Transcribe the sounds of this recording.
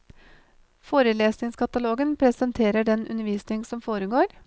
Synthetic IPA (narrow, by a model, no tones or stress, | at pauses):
foːɾəleːsnɪŋskʰɑt̪ɑloːɡənpʰɾɛsənt̪ʰeːɾəɖɛnʔʉ̰nəʋiːsnɪŋsɔmfoːɾəɡoːɾ